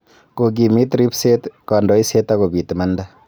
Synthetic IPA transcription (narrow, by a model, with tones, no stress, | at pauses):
ko˨ɡ̬i˨mi˦t̪ɾi˦pse˦t̪kɑ˨ndɔ˨˦i˦se˦t̪ako˨bi˨tmɐ˦nda˦